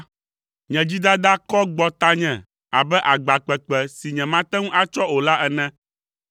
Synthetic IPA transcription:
ɲɛ̃˨d͡ʑi˦d̪a˦d̪a˦kɔ˦ɡ͡bɔ˦t̪a˦ɲɛ̃˨ | a˨bɛ˦ʔa˨ɡ͡ba˨k͡pɛ˨k͡pɛ˨si˨ɲɛ̃˨mã˦t̪ɛ˦ŋũ˦ʔa˦t͡ʃɔ˦o˨la˦ʔɛ˨nɛ̃˦

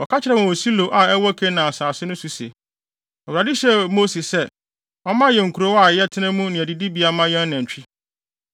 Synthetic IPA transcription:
ɔ˨kʰa˦t͡ɕʰɪ˦ɾɛ˨wɔ̃˨o˨si˦lo˨ʔa˨ɛ˦wɔ˦kʰe˦nã˨a˨saː˨sɪ˦nʊ̃˦su˨sḛ˨ | ɛ˨wu˨ɾa˨dɪ˦ɕɛ˦mo˦si˨ssɛ˦ | ɔ˦mã˦jɛ˨ŋ̩˨kʰu˨ɾo˦wa˨jɛ˦tʰɪ˦nɛ̃˦mũ˦nɪ̃˨æ˨di˨di˦bi˨˦a˨mã˦jɛ̃˦n˦næ̃˨ɲ̩˨t͡ɕᶣi˦

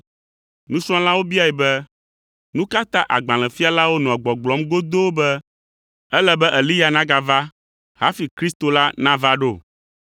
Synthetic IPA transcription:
nũ˦sɾ̃ɔ̃˦la˦wo˦bi˦a˨ɛ˨bɛ˦ | nũ˦ka˦t̪ã˦ʔa˨ɡ͡bã˨lɛ̃˨fi˦a˨la˦wo˦nɔ̃˨ɡ͡bɔ̃˨ɡ͡blɔ˨˦mɡo˦d̪o˦wbɛ˦ | ɛ˦lɛ˨bɛ˦ʔɛ˨li˦ja˨nã˦ɡa˨va˦ | ha˦fi˨kɾi˦st̪o˨la˦nã˦va˦ɖo˦˨

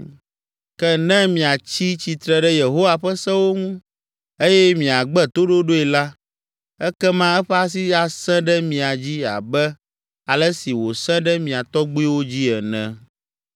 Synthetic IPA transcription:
kɛ˦nɛ̃˦mĩ˨a˨t͡ɕi˦t͡ɕi˨t̪ɾɛ˨ɖɛ˦je˨ɦo˦wa˨ɸɛ˦sɛ̃˦wo˦ŋũ˦ | e˦jɛ˦mĩ˨a˨ɡ͡bɛ˦t̪o˦ɖo˦ɖo˦ɛ˨la˦ | ɛ˦kɛ˦mã˦ɛ˦ɸɛ˦a˦s̬i˦a˦sɛ̃˦ɖɛ˦mĩ˨a˨d͡ʑi˦a̰˨bɛ˦ | a˨lɛ˦si˨wo˨sɛ̃˦ɖɛ˦mĩ˨a˨t̪ɔ˦ɡ͡bu˦i˦wo˦d͡ʑi˦ɛ˨nɛ̰̃˦

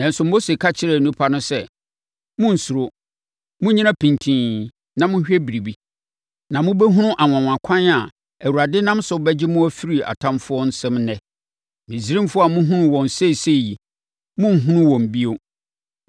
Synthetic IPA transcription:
nã˨n̩˨sʊ˨mo˦se˨kʰa˦t͡ɕʰɪ˦ɾɛ˨nũ˦pʰa˦nʊ̃˦sɛ˦ | mʊ̃˦n̩˨su˨ɾo˦ | mʊ̃˦ɲĩ˦nã˦pʰĩ˨ntʰĩː˦ | nã˨mʊ̃˦ɕᶣɛ˦bi˨ɾi˨bi˦ | nã˨mʊ̃˦bɛ˦ɦũ˦nʊ̃˦ʔa˨wã˨wã˨kʷʰã˦na˨ | æ˨wu˨ɾa˨dɪ˦nã˦msʊ˨˦bɛ˦d͡ʑɪ˦mʊ̃˦æ˦fi˦ɾi˨a̰˨tʰã˦mfʊ˦ɔ˦n̩˦sɛ̃˦mnɛ̃˦ | mĩ˨si˨ɾĩ˦mfʊ˦a˨mʊ̃˦ɦũ˦nʊ̃˦wɔ̃˨n˨se˦˨se˦˨ji˨ | mʊ̃˦n˨ɦũ˦nʊ̃˦wɔ̃˨m˨bi˦o˦

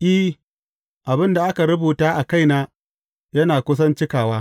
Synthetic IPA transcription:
ʔiː˦ | ʔa˨bɪ˦nda˨ʔa˦ka˨ɾʊ˦buː˨taː˦ʔa˨ka˦jnaː˦ | jɐ˦naː˨kʷʊ˦s̬ɐ˦nt͡ʃɪ˦kaː˨waː˦

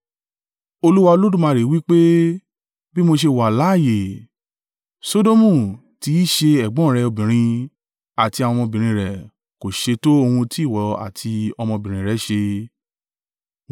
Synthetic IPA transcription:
o˧lu˦wa˧o˧lo˦dũ˦˨mã˧ɾe˨˦wi˦k͡pe˦ | bi˦mo˧ʃ̬e˧wa˨la˨˦˨je˨ | so˦do˦mũ˦˨ | ti˨˦i˦ʃe˧ɛ˨ɡ͡bɔ̃˨˦˨ɾɛ˧o˧bĩ˨ɾ̃ĩ˧ | a˨ti˧a˧wɔ̃˧mɔ̃˧bĩ˨ɾ̃ĩ˧˦ɾɛ˨ | ko˨ʃe˧to˦o˧hũ˧ti˦˨wɔ˨a̰˨tʰi˧ɔ˧mɔ̃˧bĩ˨ɾ̃ĩ˨ɾɛ˨˦ʃe˧

